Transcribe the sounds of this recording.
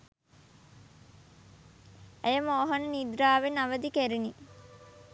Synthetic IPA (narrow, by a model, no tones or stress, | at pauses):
ejəmoːɦənənid̪ɾaːʋenaʋəd̪ikeɾini